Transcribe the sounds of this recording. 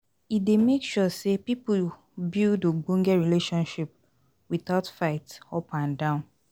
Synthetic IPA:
it̚demekʃusepipu | bildoɡ͡bõŋɡɛɹileʃɔ̃nʃip̚ | wiθaʊtfaɪtɔpãndãʊ̃n

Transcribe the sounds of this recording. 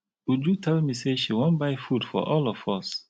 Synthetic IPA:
wud͡ʒutʰɛlmiseʃiwõnbaɪfudfɔ̰ʔɔlɔfɔs

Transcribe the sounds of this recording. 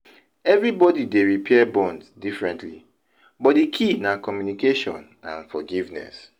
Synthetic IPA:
ɛvɹibɔdideɹipʰɛbɔ̃nsdifɹɛ̃ntlḭ | bɔt̚dikʰinakɔmjunikeʃɔ̰̃n | ã̰nfɔɡivnɛ̰s

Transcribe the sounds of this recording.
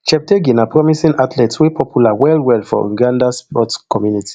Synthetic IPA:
t͡ʃɛp̚teɡinapɹɔmisĩnatʰlɛtswepʰɔpʰjulawɛlwɛlfɔ̰ṵɡãndaspɔtkɔmjuniti̥

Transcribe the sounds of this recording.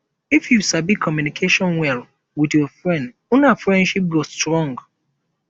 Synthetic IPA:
ifjusabikʰɔmjunikʰeʃɔ̃nwɛl | widjɔfɹɛ̃nd | unafɹɛ̃ndʃip̚ɡostɹɔ̃ŋɡ

